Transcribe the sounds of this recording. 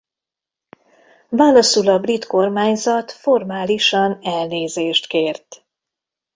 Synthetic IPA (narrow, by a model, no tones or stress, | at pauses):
vaːlɒsulɒbrit̪ko̞rmaːɲzɒt̪fo̞rmaːliʃɒnɛlneːzeːʃt̪keːrt̪